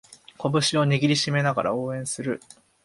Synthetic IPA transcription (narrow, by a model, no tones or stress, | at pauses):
ko̞bɯ̟ɕio̞ɲʲiɡʲiɾʲiɕime̞naɡa̰ɾʔa̰o̞ːẽ̞ɰ̃sɨɾɯ̟